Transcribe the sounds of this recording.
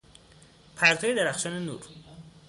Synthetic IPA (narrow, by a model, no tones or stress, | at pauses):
pʰæɾt̪ʰɒːjed̪eɾæxʃɒːnenṵːɾ